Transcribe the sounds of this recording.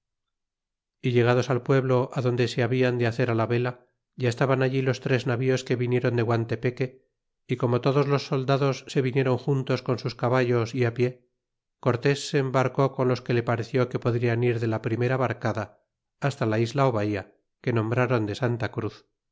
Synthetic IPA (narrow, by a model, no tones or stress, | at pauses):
iʎe̞ɣað̞o̞salpwe̞βlo̞ʔaðo̞nd̪e̞se̞aβiand̪eaθe̞ɾalaβe̞la | ʝaest̪aβanaʎilo̞st̪ɾe̞znaβio̞ske̞βinje̞ɾo̞nd̪e̞ɣwant̪e̞pe̞ke̞ | iko̞mo̞t̪o̞ðo̞zlo̞sːo̞ld̪aðo̞sːe̞βinje̞ɾo̞ŋxunt̪o̞sko̞nsuskaβaʝo̞siapje̞ | ko̞ɾt̪e̞sːe̞ːmbaɾko̞ko̞nlo̞ske̞le̞paɾe̞θjo̞ke̞po̞ðɾianiɾðe̞lapɾime̞ɾaβaɾkaðaː | st̪alaizlaoβaia | ke̞nõ̞mbɾaɾo̞nd̪e̞sant̪akɾuθ